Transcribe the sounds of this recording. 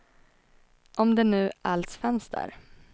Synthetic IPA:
ʔɔmd̪ɛnʉ̟ːʔalsfɛnsd̪æ̰ːɾ

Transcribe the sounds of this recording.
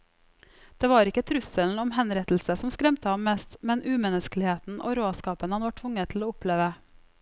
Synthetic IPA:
d̪̥eːʋɑːɾɪkət̪ʰɾʉsəln̩ɔmhɛnɾɛt̪l̩səsɔmskɾɛmt̪əhɑmmɛst̪mɛnʔʉːmɛnəsklɪheːt̪n̩ʔo̰ːɾoːskɑːpənhɑnʋɑʈʰʋʊŋət̪ʰl̩oːʊpʰleːʋə

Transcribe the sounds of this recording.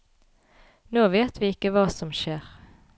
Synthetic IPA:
noːʋeːt̪ʋiːɪkːəʋɑːsɔmʃeːʁ

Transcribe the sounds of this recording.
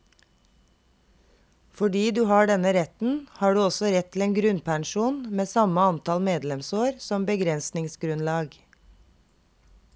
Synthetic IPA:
fɔɖiːd̪ʉːhɑːɖɛnəɾɛt̪n̩hɑːɖʉːɔsɔɾɛt̪ʰːl̩eːnɡɾʉnpʰɑɳʃuːnmeːsɑməɑnt̪ɑlmeːd̪lɛmsoːɾsɔmbəɡɾɛnsnɪŋsɡɾʉnlɑːɡ

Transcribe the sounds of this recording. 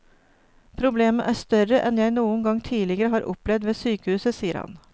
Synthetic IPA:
pʰɾʊbleːməʔæːʂt̪œɾəʔɛnjæɪnuːənɡɑŋt̪ʰiːlɪɡəɾəɦɑːɾʔʊ̰plɛʋd̪ʋeːsyːkəhʉːsəsiːəɾhɑ̰n

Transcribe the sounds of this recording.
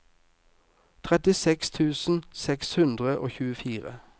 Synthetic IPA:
t̪ʰʁɛt̪ɪsɛkst̪ʰʉːsn̩sɛkshʉnd̪ʁəʔoːçʉːəfiːʁə̰

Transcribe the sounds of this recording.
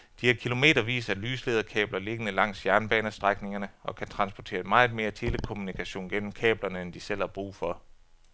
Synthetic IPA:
d̥ihækʰilo̝me̝̰ːɾ̥ɐʋḭːsɐælyːsle̝ð̞ˠɐkʰɛ̰ːb̥lɐle̝ɡ̥ənəlɑ̈ŋ̰sjæɐnəb̥ɛːnəsd̥ʁaɡ̥ne̝ŋɐnəʔɒ̽kʰæt͡sʰʁɑ̈nsb̥ɒt͡sʰe̝ːɐmɑ̈ɪð̩ˠme̝ːɐt͡sʰe̝ləkʰo̝munikʰæɕo̝̰ːnɡ̥en̰m̩kʰɛ̰ːb̥lɐnəend̥isel̰hɑ̈b̥ʁṵːfɒ̽

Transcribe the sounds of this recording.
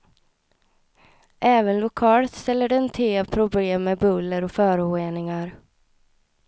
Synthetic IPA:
ʔɛːvənlʊkʰɑːlət̪st̪ɛlːəɖɛɛnt̪ʰeːpʰɾʊbleːmːebɵlːəɾɔfœːɾəoeːnɪŋaɾ

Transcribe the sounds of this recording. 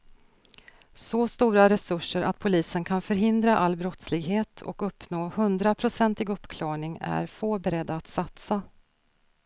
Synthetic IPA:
sɔst̪uːɾaɾɛsɵʂːəɾa̰t̪̚pʰʊliːsənkʰanfœɾɦɪnd̪ɾaʔalːbɾɔt̪slɪɡɦeːt̪ʰɔ̰kɵpːnoːhɵnd̪ɾapʰɾʊsɛnt̪ɪɡɵpːkʰlɑːɳɪŋæ̰ɾfoːbɛɾɛd̪ːaːt̪sat̪sa

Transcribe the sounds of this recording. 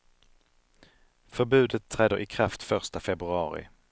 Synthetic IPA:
fœɾbʉ̟ːd̪ət̪ʰːɾɛːd̪əʔɪkʰɾaft̪fœʂt̪afɛbɾɵɑːɾɪ̰

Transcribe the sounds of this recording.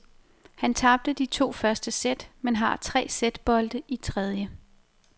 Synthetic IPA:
hænt͡sʰɑ̈b̥̚d̥əd̥it͡sʰo̝̰ːfɶɐsd̥əsed̥menɦɑ̈t͡sʰʁɛ̰ːsed̥b̥ɒ̽ld̥əʔit͡sʰʁɛð̞ˠjə

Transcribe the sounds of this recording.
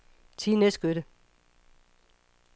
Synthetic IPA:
t͡sʰiːnesɡ̥øɾə

